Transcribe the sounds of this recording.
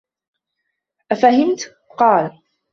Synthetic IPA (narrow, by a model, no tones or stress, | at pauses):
ʔafaɦɪmt̪ | qɑːl